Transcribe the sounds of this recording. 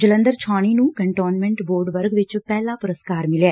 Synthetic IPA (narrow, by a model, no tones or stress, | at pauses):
d͡ʒələ̃nd̪əɾt͡ʃʰaːɽ̃iːnũːkəɳʈoːnmɛ̃ɳʈboːɾɖʋəɾɡʋɪt͡ʃpɛːlãːpʊɾəskaːɾmɪlɛː